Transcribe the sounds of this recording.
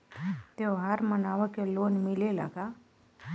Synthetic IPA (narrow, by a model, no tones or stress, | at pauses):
t̪eɦaɾmənaʋəkelonmilela̰ka